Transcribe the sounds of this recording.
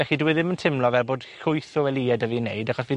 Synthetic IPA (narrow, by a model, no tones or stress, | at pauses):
ɛxiduwɪðɪməntʰɪmlˠɔvɛlˠboːdkʊjθɔɛlˠiɛdəvinejdaχɔsvi